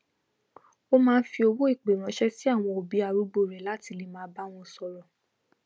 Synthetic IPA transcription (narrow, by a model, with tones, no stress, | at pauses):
o˦mãː˦˧n̩˦fi˧o˧wo˦i˦˨k͡pe˨ɾ̃ã˨˦ʃɛ˦ti˦a˦˨w̃ɔ̃˧o˨bi˨˦a˧ɾu˦ɡ͡bo˦˨ɾɛ˨la˨˦ti˧li˨˧mãː˧˦ba˦w̃ɔ̃˧sɔ˧ɾɔ˨